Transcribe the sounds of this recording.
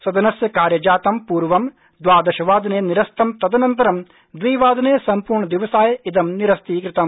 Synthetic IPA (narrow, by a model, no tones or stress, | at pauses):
sɐd̪ɐnɐsjɐkaːɾjɐd͡ʒaːt̪ɐmpuːɾʋɐm | d̪ʋaːd̪ɐʃɐʋaːd̪ɐneːniɾɐst̪ɐmt̪ɐd̪ɐnɐnt̪ɐɾɐm | d̪ʋiːʋaːd̪ɐneːsɐmpuːɾɳɐd̪iʋɐsaːjɐid̪ɐmniɾɐst̪iːkɾɪt̪ɐm